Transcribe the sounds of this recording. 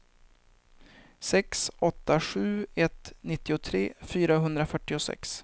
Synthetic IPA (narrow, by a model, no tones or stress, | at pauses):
sɛksɔt̪ːaɧʉ̟ːɛt̪nɪt̪ːɪʊt̪ʰɾeːfyːɾaɦɵnd̪ɾafœʈːɪʊsɛ̰ks